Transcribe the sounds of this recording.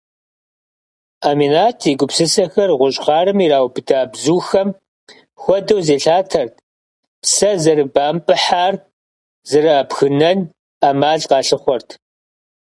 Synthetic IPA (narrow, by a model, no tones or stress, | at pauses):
aːminaːtʰiɡʷʊpsɨsɐxɐrʁʷʊɕʼχɑːɾɨmiɾaːwbɨdaːbzuːxɐm | xʷɔdɐwzeːɬaːtʰɐrtʰ | psɐzɐrɨbaːmpʼɨħaːr | zɨrɐːpxɨnɐn | aːmaːɮqɑːɬɨχʷɔrtʰ